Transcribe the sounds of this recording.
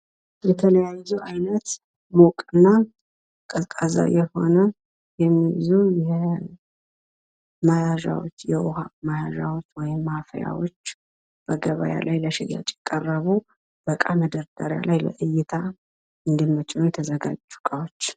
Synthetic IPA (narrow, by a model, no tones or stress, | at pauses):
jɛt̪ʰələjajzuʔajnət̪ | mokʼɨnːa | kʼəkʼaza̰jɛho̞nə | jɛmːijzujɛ | majaʒa̰wo̰t͡ʃːjɛʔohamajaʒawo̞t͡ʃːwɔjɪmːafja̰wot͡ʃː | b̥əɡəβa̰ja̰lajləʃɛja̰t͡ʃʼɛkʼərːəβu | b̥əkʼaməd̪əɾd̪aɾja̰lajlə̰ʔɨjɪt̪ʰa | ɨnd̪imːət͡ʃʼiujt̪ʰəzəɡad͡ʒd͡ʒːu̥kʼawot͡ʃː